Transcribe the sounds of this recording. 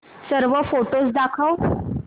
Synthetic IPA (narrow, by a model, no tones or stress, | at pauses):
səɾʋəfoʈosd̪akʰaw